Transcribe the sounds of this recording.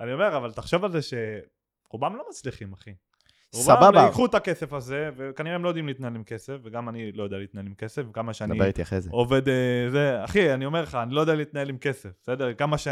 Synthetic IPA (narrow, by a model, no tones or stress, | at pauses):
anio̞me̞ʁavalt̪aχʃo̞valzeʃe̞ | ʁubamlo̞mat͡sliχimaχi | ʁusbabaaikχut̪akesefaze̞vekaniʁeemlojd̪imlit̪naelimke̞sefveɡamanilo̞jod̪ealiːt̪naelimke̞sefikamaʃeand̪aibeʁit̪iaχʁezeoved̪zeaχianio̞me̞ʁleχaːnilo̞jod̪ealit̪naelimke̞sefsed̪eʁkamaʃe